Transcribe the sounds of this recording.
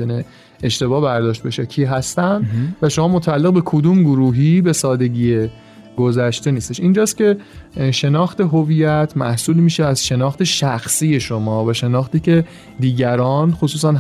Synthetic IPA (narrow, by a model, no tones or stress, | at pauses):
ene̞ | eʃt̪e̞bɒːbæɾd̪ɒːʃt̪̚beʃecʰiːɦæst̪ænd̪væʃomɒːmot̪ʰæælːe̞ɣbe̞kʰod̪uːmɡoɾuːɦibe̞sɒːd̪e̞ɟiːe | ɡ̥ozæʃt̪e̞niːst̪e̞ʃiːnd͡ʒɒːst̪cʲe̞ʃe̞nɒːxt̪e̞ɦoviːjæt̪ʰmæ̰hsuːlimiːʃeæzʃe̞nɒːxt̪ʰe̞ʃæxsiːje̞ʃomɒːvæʃe̞nɒːxt̪iːcʰe̞ | d̪iːɟæɾɒːnxosuːs̬æn